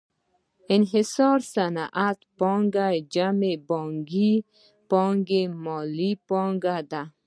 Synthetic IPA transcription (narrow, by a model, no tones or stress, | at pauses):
ɪnɦɪsɔɾsanaʔat̪pɔŋɡad͡ʒamebɔŋɡi | pɔŋɡemɔlipɔŋɡad̪a